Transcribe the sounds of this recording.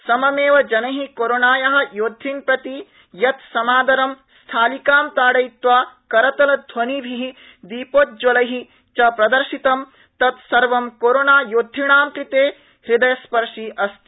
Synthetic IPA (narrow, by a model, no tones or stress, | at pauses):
sɐmɐmeːʋɐd͡ʒɐnɐɦikoːɾonaːjɐɦɐ̆joːd̪ʱːinpɾɐt̪i | jɐt̪sɐmaːd̪ɐɾɐm | st̪ʰaːlikaːmt̪aːɽɐjt̪ʋaːkɐɾɐt̪ɐlɐd̪ʱwɐnibʱiɦi | d̪iːpoːt̪̚d͡ʒɐlɐɦi | t͡ʃɐpɾɐd̪ɐɾʃit̪ɐm | t̪ɐt̪sɐɾʋɐmkoːɾonaːjoːd̪ʱːiɳaːmkɾit̪eː | hɾid̪ɐjɐspɐɾʂiʔɐst̪i